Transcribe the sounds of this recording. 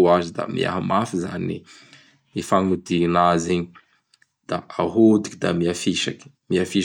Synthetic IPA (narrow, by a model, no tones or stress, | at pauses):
azid̪a̰mḭa̰ɦamafiza̰ni | ifaŋud̪inaziɲi | d̪̥aaɦud̪i̥kʲid̪amiafiʃaki̥ | miafi